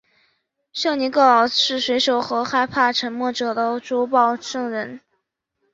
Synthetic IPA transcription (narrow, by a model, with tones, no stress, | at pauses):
ɕjɑ˥˩ŋni˧˥kɤ˥˩ɑ˨˩ʂɻ̩˥˩swe˧˥ɪʂo˨˩ʊxɤ˧˥xa˥˧ɪpʰa˥˩ʈ͡ʂʰə˧˥nmwɔ˥˩ʈ͡ʂɤ˨˩d̪ə˦ʈ͡ʂu˧˥pɑ˥˩ʊʂɤ˥˩ŋɻə˧˥n